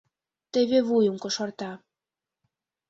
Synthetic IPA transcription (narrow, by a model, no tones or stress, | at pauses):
t̪eβeβujuŋkŏʃɑrt̪ɑ